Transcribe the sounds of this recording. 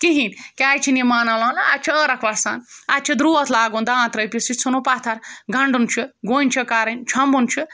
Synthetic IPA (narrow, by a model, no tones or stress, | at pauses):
kiɦinʲkʲaːjt͡ʃʰinimaːnalalɐat̪̚t͡ʃʰiəɾɐkʰʋɐsa̰ːnat̪̚t͡ʃʰɐd̪ɾuɐt̪ʰlaːɡũnd̪aãːt̪ɾɐjpʲisit͡sʰunopat̪ʰɐɾɡʱɐɳɖunt͡ʃʰuɡoːnʲt͡ʃʰikaɾɐnʲt͡ʃʰɐmbunt͡ʃʰu